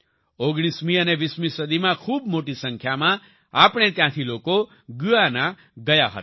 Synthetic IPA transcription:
oɡɽ̃ismĩəneʋismisəd̪imãkʰuːbmoʈisə̃ŋkʰjamã | apɽ̃et̪jãt̪ʰiloko | ɡuanã | ɡəjaɦə̰t̪

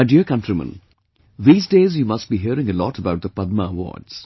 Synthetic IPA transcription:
aɪɖiəkʌ̃ntɹimə̰̃n | ðiːzdeːzjuːmʌst̚biːɦiəɾɪ̃ŋəlɔʈəbaʊʈ̚d̪əpʌd̪̚məəwɔ̰ːɖz̥

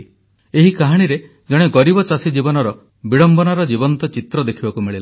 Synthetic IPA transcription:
eɦikaɦaɽ̃iɾe | d͡ʒɔɽ̃eɡɔɾibɔt͡ʃasid͡ʒibɔnɔɾɔ | biɭɔmbɔnaɾɔd͡ʒibɔnt̪ɔt͡ʃit̪ɾɔd̪ekʰibakumiɭil

